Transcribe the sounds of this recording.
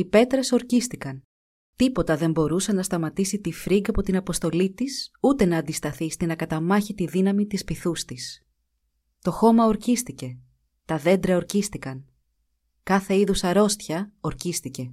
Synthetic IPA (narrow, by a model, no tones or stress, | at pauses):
ipe̞t̪ɾe̞so̞ɾcist̪ikɐn | t̪ipo̞t̪ɐðe̞mbo̞ɾusɐnɐst̪ɐmɐt̪isit̪ifɾiɡɐpo̞t̪inɐpo̞st̪o̞lit̪isut̪e̞nɐːnd̪ist̪ɐθist̪inɐkɐt̪ɐmɐçit̪iðinɐmit̪ispiθust̪is | t̪o̞xo̞mɐo̞ɾcist̪ice̞ | t̪ɐðe̞nd̪ɾɐoɾcist̪ikɐn | kɐθe̞iðusɐɾo̞st̪çɐo̞ɾcist̪ice̞